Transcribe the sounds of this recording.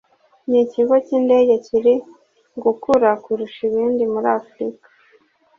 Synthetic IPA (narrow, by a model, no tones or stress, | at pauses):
ɲiciɡociːnde̞ːɟeciɾi | ɡukuɾakuɾuʃiβiːndimuɾafɾikḁ